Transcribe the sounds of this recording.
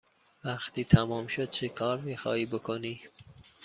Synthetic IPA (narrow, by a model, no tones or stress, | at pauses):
væxt̪ʰiːt̪ʰæmɒːmʃod̪̥̚t͡ʃʰekʰɒːɾmiːxɑːhiːbokʰoniː